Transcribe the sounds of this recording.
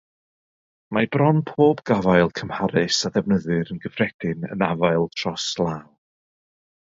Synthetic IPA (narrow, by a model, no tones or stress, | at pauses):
mabrɔnpʰoːbɡ̥avajlˠkʰəmhaɾɨsadɛvnəðɨɾənɡəfrɛd̥ɪnə̰navajlˠtʰr̥ɔslˠaːw